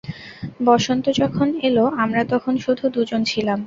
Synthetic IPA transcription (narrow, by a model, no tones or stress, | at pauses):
bɔʃont̪od͡ʑɔkʰoneloamɾat̪ɔkʰonʃud̪ʱud̪ud͡ʑont͡ɕʰilam